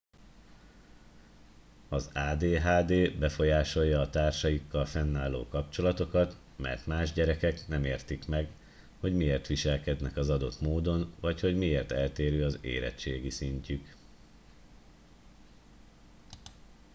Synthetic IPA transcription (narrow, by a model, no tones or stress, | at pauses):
ɒzaːd̪eːɦaːd̪eːbɛfo̞jaːʃo̞jːɒːt̪aːrʃɒjikːɒlfɛnːaːlːo̰ːkɒpt͡ʃo̞lɒt̪o̞kɒt̪ | mɛ̰rt̪maːʒɟɛɾɛkɛknɛmeːrt̪ikmɛɡ | ho̞ɟmieːrt̪ʋiʃɛlkɛd̪nɛkɒzɒd̪o̞t̪moːd̪o̞nvɒcho̞ɟmieːrt̪ɛlt̪eːɾøːɒzḛːɾɛ̰t̪t͡ʃeːɡisiɲcyk